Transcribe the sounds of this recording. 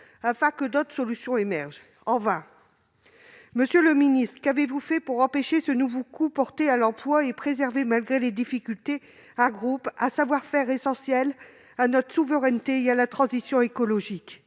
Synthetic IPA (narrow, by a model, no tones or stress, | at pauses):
afɛ̃kəd̪ot̪χsɔlysjɔ̃emɛʁʒ | ɑ̃vɛ̃ | məsjøləminist̪χəkavevufɛpuʁɑ̃peʃesənuvokupɔʁt̪ealɑ̃plwaepχezɛʁvemalɡʁeled̪ifikʲylt̪e | ɛ̃ɡʁupasavwaʁfɛʁesɑ̃sjɛl | anɔt̪χə̥suvəʁɛnt̪eealat̪χɑ̃zisjɔ̃ekɔlɔʒik